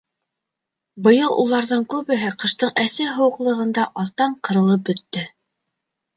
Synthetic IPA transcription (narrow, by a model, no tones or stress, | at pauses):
bɤ̆jɤlˠʔṵlˠɑɾðɤɴkʉβɘ̆ɦɘqɤ̆ʃt̪ɤɴæsɘɦɤ̆wɤ̆qlˠɤ̆ʁɤ̆nd̪ɑʔɑθt̪ɑɴqɤ̆ɾɤ̆lˠɤp̚bɵ̆t̪ːɵ